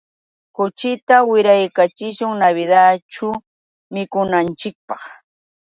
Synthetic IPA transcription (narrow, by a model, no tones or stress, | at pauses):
kʊt͡ʃɪt̪awɪɾajkat͡ʃɪʃʊŋnaβɪd̪aʈ͡ʂʊ | mɪkʊnant͡ʃɪk̚pɑχ